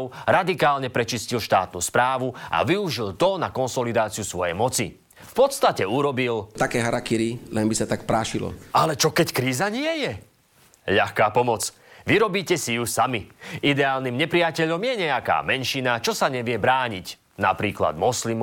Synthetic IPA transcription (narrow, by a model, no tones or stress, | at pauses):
ʊɾad̪ikaːlɲɛpɾɛt͡ʃiscilʃt̪a̰ːt̪nuːspɾaːʋua̰ʋiuʒilt̪ɔnakɔnsɔlid̪aːt͡siusʋɔjɛ̰jmɔt͡si | fpɔt̪st̪acɛuɾɔbilt̪akɛːɦaɾakiɾilɛnbisat̪akpɾaːʃilɔ̰alɛt͡ʃɔkɛckɾiːzaɲɪɛjɛ | ʎaxkaːpɔmɔt͡s | ʋiɾɔbiːcɛsijusamiid̪ɛaːlnimɲɛpɾijacɛʎɔmjɛɲɛaka̰ːmɛnʃinat͡ʃɔsaɲɛʋɪɛbɾaːɲic | na̰pɾiːkla̰d̪mɔslim